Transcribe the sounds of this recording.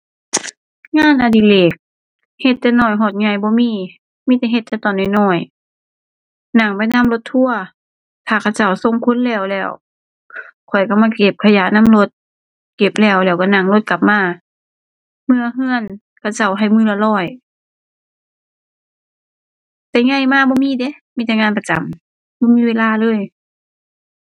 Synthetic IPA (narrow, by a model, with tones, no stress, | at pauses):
ŋaː˧˥˨nʔa˧di˧˨leː˨˩k̚ | he˧t̪ːɛː˧˩nɔː˧˩jɦɔː˧˩t̪̚ɲɔ˧˩jbɔː˧˦miː˧˨ | miː˧˥˨t̪ɛː˧˩ɦe˧t̪̚ʰːɛ˧˩t̪ɔː˨nːɔː˧˩jnɔː˧˩j | na˧˩ŋpa˨jna˧˥˨mlo˧˦t̪ʰːu˧˨ɐ | t̪ʰaː˧˩kʰa˧˩wt͡ɕa˧˩wso˧˨ŋkʰu˧˥˨nlɛː˧˩wlɛː˧˩w | kʰɔ˨˩jka˧˩maː˧˨ke˧˩p̚kʰa˧jaː˧˦na˧˥˨mlo˧˥t̪̚ | ke˧˩p̚lɛː˧˩wlɛː˧˩wka˧˩na˧˩ŋlo˧t̪̚ka˨˩p̚maː˧˩ | mɯ˧˨ɐɦɯ˧˥˨ən | kʰa˧˩wt͡ɕa˧˩wɦa˧˨˩jmɯː˧˥la˧lɔː˧˩j | t̪ɛː˧˨˩ŋa˧˩˨jmaː˧˨bɔː˧˨miː˧˨de˧˥˦miː˧˥˨t̪ɛː˧˩ŋaː˧˥˨npa˧t͡ɕa̰˨˦m | bɔː˧˨miː˧˥˨weː˧˨laː˧lɤː˧˥˨j